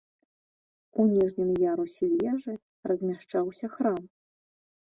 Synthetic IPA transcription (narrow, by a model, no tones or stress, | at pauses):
unʲɛʐnʲimjaɾusʲɛlʲɛʐɨ | rɐzʲmʲaʂt͡ʂawsʲɐxɾam